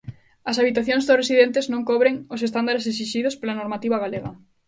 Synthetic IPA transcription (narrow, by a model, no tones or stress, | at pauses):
ɐsaβit̪aθjõŋzðʊresiðent̪eznõŋkɔβɾeŋʊs̬est̪and̪aɾeses̬iʃiðospolanoɾmat̪iβaɣaleɣɐ̰